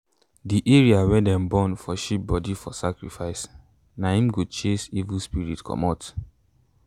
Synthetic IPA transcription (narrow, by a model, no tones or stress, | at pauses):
diʔeɹiawɛdɛ̃mbɔ̃nfɔʃip̚bɔdifɔsakɹifaɪs | nãĩmɡut͡ʃesivuspiɹitkʰɔ̰mɔt